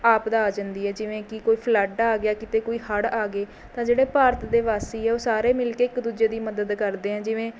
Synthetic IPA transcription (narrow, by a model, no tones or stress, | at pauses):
aːpd̪aːaːd͡ʒənd̪iːɛːd͡ʒɪʋẽːkɪkoːiːpʰlɛɖaːɡɪjaːkɪt̪eːkoːiːhəɽaːɡeː | t̪ãːd͡ʒeːɽeːpaːɾət̪d̪eːʋaːst̪eːɦɛːoːsaːɾeːmɪlkeːɪkd̪uːd͡ʒeːd̪iːməd̪əd̪kəɾd̪eːɛ̃ːd͡ʒɪʋẽː